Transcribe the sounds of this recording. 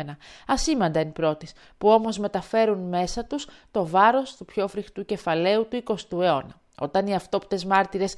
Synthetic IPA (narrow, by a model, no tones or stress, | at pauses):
enɐɐsimɐnd̪ɐnipɾo̞t̪is | puo̞mo̞zme̞t̪ɐfe̞ɾunme̞sɐt̪ust̪o̞vɐɾo̞st̪upço̞fɾixt̪uce̞fɐle̞ut̪uiko̞st̪ue̞o̞nɐ | o̞t̪ɐniɐft̪o̞pi̥t̪e̞zmɐɾt̪iɾe̞s